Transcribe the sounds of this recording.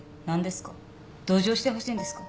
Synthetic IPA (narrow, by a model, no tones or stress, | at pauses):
nãnd̪e̞sɨ̥ka | d̪̥o̞ːʑo̞ːɕi̥t̪e̞ɦo̞ɕiːnd̪esɨ̥ka